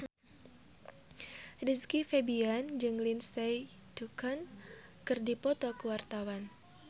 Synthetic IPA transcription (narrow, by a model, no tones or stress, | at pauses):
riskifebiand͡ʒɨŋlinst̪ɛj | dukʰənkɨrdipɔt̪ɔkəwart̪awan